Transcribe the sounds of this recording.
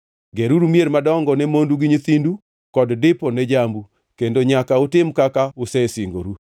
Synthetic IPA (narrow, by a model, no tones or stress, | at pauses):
ɡeɾuɾumjeɾmadɔŋɡɔnɛmonduɡɪɲit̪indu | kɔddɪpɔnɛd͡ʒambu | kendoɲakaotɪmkakaʊsɛsiŋɡoɾu